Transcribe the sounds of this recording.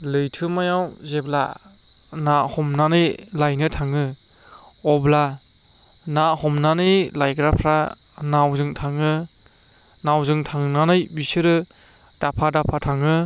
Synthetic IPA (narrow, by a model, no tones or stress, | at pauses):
lɯjtʰɯmajawzebla̰ | nahɔmnanɯjlajnɯtʰaŋɯ | ɔbla | nahɔmnanɯjlajɡɾapʰɾa | nawzɯŋtʰaŋɯ | nawzɯŋtʰaŋnanɯjbisɯɾɯ | d̥apʰadapʰatʰaŋɯ